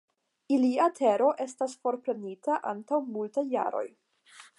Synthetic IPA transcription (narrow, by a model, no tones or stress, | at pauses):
iliatʰe̞ɾo̞ʔe̞stasfo̞ɾpɾe̞nitaʔantawmultajːa̰ɾo̞̰j